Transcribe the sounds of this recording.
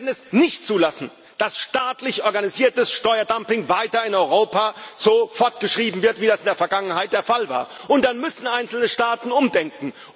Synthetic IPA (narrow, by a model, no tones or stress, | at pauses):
dn̩ɛsnɪçtt͡suːlasn̩ | d̥asʃtaːtlɪçʔɔɐɡaniziːɐtəsʃtɔʏɐdampɪŋvaɪtɐɪnɔʏʁoːpaːz̥oːfɔɐtɡ̥əʃʁ̥iːbm̩vɪɐtv̥iːdasɪndeːɐfɛɐɡaŋənɦaɪt̚d̥eːɐfalva̰ːɐ | ʔʊnt̚d̥anmʏsn̩aɪnsl̩nəʃtaːtn̩ʊmdɛŋkŋ̩